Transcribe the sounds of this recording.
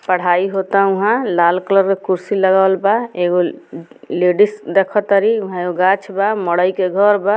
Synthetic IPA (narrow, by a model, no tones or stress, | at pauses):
pəɽ̤aiɦot̪aʊɦãlalkləɾkekuɾsiləɡalbaeɡo | leɖisd̪ekʰɔt̪əɾiuɦãoɡat͡ʃʰbamɔɽəjkeɡʱɔɾba